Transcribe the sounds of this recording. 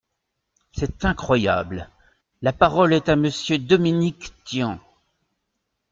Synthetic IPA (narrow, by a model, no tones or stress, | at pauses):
sɛt̪ɛ̃kχwaja̰bl | lapaʁɔlɛt̪aməsjød̪ɔminikt̪jɑ̃